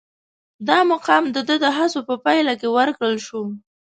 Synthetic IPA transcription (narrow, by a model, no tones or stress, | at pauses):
d̪ɑmʊqɑmd̪əd̪əd̪əɦasopəpajlakewəɾkɽəlʃum